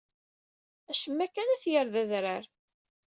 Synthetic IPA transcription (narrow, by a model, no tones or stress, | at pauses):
æʃəmːækːænæθjəɾðæðɾəɾ